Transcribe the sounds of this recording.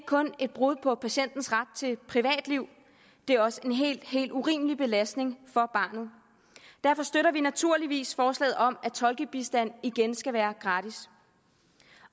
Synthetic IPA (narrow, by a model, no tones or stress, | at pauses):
ɡkʰɔ̽ne̝d̥̚b̥ʁuð̞̰ˠpʰɒ̽pʰæɕen̰d̥n̩sʁäd̥̚t͡sʰe̝lpʰʁiʋɛ̰ːd̥liʊ̰ | d̥e̝ɐɒ̽səe̝nɦe̝̰l̥he̝̰ːlduʁḭːməlib̥e̝læsd̥ne̝ŋfɒ̽b̥ɑ̈ːnð̩ˠ | d̥æɐfɒ̽sd̥øɾɐʋinæt͡sʰuɐliʋḭːsfɒːslɛ̰ːð̩ˠɒ̽mæt͡sʰɒ̽lɡ̥əb̥isd̥æn̰iɡ̥ensɡ̥æʋæːɐɡ̥ʁɑ̈ːd̥is